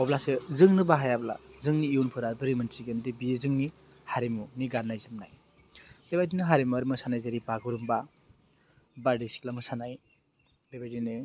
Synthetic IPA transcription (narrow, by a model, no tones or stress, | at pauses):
ɔblasɯzɯŋnɯbaɦajabla̰zɯŋniːunpʰɯɾadɯɾimɯntiɡendibiezɯŋni | haɾimuniɡanːajzɯmnaj | sebajdinɯɦaɾimuaɾimɯsanajzaɾibaɡɯɾumba | baɾdisi̥klamɯsanaj | bebadinɯ